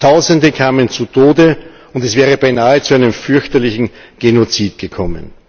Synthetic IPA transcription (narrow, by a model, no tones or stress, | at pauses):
tʰaʊzəndəkʰaːmənt͡sutʰoːdə | ʊndɛsv̥ɛːʁ̞əbaɪnaːɦət͡suaɪnəmfʏɐçtɐlɪçn̩ɡ̥enot͡siːtɡ̥əkʰɔmə̰n